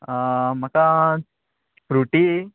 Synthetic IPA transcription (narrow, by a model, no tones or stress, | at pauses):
mɐka | pɾuʈi